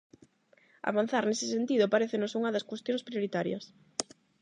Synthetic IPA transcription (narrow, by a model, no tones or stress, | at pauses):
a̰βan̟θaɾnesɪ̥sent̪iðʊpaɾeθenosuŋɐðɐskwest̪jõŋspɾjoɾit̪aɾjɐ̰s